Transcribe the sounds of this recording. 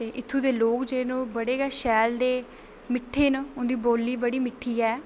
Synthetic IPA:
t̪eːʔɪt̪ʰːuːd̪eːloːkd͡ʒeːnũːbəɽeːɡɛːʃɛːld̪eː | mɪʈʰːeːnːʊ̃nd̪iːboːlːiːbəɽiːmɪʈʰːiːɛː

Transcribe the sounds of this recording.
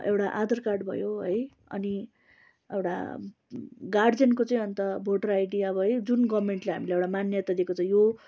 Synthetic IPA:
ḛwʈaʔad̪ʌrkarɖbʱʌ̰joɦʌj | ʌ̰ni | ḛwʈa̰ | ɡaɖd͡zenkot͡sʌĩʌnt̪ʌbʱoʈʌrajɽijaʌbʌɦʌjd͡zunɡʌbmeɳʈleɦamileewʈamanjʌt̪ad̪ekot͡sʰʌ̃jo

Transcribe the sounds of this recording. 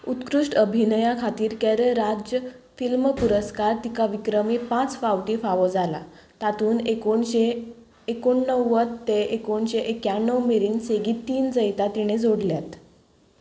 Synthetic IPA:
ut̪kɾuʂʈəbʱinəjakʰat̪iːɾkɛɾɾad͡ʑjəfilməpuɾəskaɾt̪ikaʋikɾəmipãt͡sfawʈifaʋod͡zala̰ | t̪at̪uːnekoɳɕeː | koɳːəwːət̪ːeekoɳɕeʔekjanːəwmeɾiːnseɡiːt̪iːnd͡zəjt̪at̪iɽ̃ed͡zoɽljat̪

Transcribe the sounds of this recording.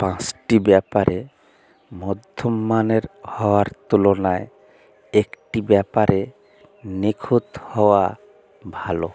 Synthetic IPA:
pãt͡ʃʈibɛpaɾʔe | mɔd̪ʱɔmːaneɾhɔwaɾt̪ulɔnae | ekʈibɛpaɾe | nekʰut̪hɔwa | bʱalo

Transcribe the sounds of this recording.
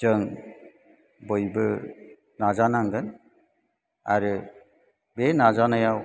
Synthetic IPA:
d͡ʒɯŋ | bɯjbɯ | nazanaŋɡɯn | a̰ɾɯ | benazanajaw

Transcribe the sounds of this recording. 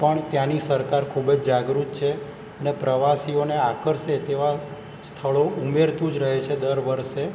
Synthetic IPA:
pəɳt̪janisəɾkaɾkʰubəd͡ʒd͡ʒaɡɾut̪t͡ʃʰe | ənepɾəʋasioneakəɾʃet̪eʋa | st̪ʰəɭoumeɾt̪ũd͡ʒɾəɦet͡ʃʰed̪əɾʋəɾʃe

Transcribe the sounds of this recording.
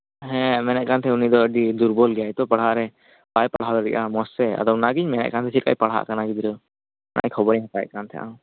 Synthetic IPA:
ɦɛ̃mɛnɛʔ̚kant̪ʰɛunid̪ɔəɖid̪uɾbɔlɡɛjajt̪ɔpaɽɦaʔɾɛ | bajpaɽ̤ɦad̪ɔɾɛʔamɔsːɛa̰d̪ɔwnaɡiɲmɛnɛ̰ʔ̚kant̪ʰɛsʰit̪̚kʰa̰jpaɽ̤ɦa̰ʔkanaɡid̪iɾɔ | nʔa̰ʔjkʰɔbɔɽiɦak̪ajʔkant̪ʰɛ̰ʔa̰w

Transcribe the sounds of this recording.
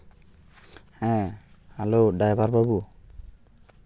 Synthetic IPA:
hɛ̃alodajbʱaɹbaɹbu

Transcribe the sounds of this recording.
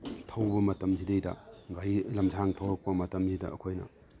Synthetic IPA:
tʰɐwbɐmɐtɐmzidejdɐ̰ɡajlɐmzaŋtʰɐwɾɐk̚pɐmɐtɐmzidɐɐ̰kʰojnɐ̰

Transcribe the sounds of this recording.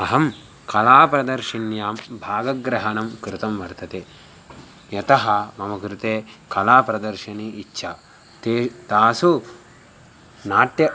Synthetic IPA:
ɐɦɐm | kɐlaːpɾɐd̪ɐɾʃinjaːmbʱaːɡɐɡɾɐɦɐnɐmkɾɪt̪ɐmʋɐɾt̪ɐt̪eː | jɐt̪ɐɦɐmɐmɐkɾɪt̪eːkɐlaːpɾɐd̪ɐɾʃɐniːtːʃʰɐ | t̪eːt̪aːsu | naːʈ̪jɐ

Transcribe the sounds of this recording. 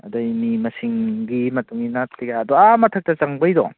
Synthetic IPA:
ɐ̰dɔmimɐsiŋɡimɐtuŋɡinatliɡaɐdɔamɐtʰɐk̚tɐt͡ʃɐŋbɐjdɔ̰

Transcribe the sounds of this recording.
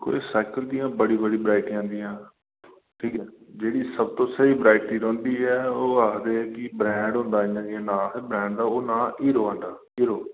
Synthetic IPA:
ko̰ːḛːsaːɪkəld̪iːãːbəɽiːbəɽiːbɾaːɪʈiãːnd̪ijãː | ʈʰiːkɛːd͡ʒeːɽiːsəb̚t̪õːsəiːbɾaːɪʈiːɾõːnd̪iːɛːoːakʰd̪eːɛkɪbɾɛ̃ːɳɖɦõːnd̪aːɪãːd̪iãːnãːɦbɾɛ̃ːɳɖd̪aːoːnaːʔiːɾoːɦə̃nd̪aː | iːɾoː

